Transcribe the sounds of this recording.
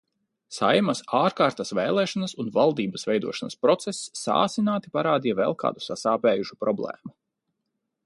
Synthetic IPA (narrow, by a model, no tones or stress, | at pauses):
sajmasaːɾkaːɾt̪asvɛːlˠɛːʃanɐsunvalˠd̪iːbɐsvɛjd̪uɔʃanɐspɾɔt̪sesːa̰ːsinaːt̪ipaɾaːd̪iɛvɛlˠka̰ːd̪u̥sasaːpɛːjuʃu̥pɾɔblˠɛ̰ːmu